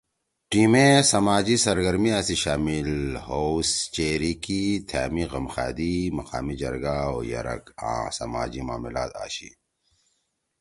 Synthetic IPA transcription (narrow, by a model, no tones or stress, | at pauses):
ʈiːmẽsɐmaːd͡ʑisɐɾɡɐɾmiaːsiɕaːmilhost͡ʃeːɾikit̪ʰaːmiɣɐmxa̰ːd̪imɐqaːmid͡ʒɐɾɡaoːjɐ̰ɾɐ̰ka̰ːsɐma̰ːd͡ʑimaːmila̰ːt̪a̰ːɕḭ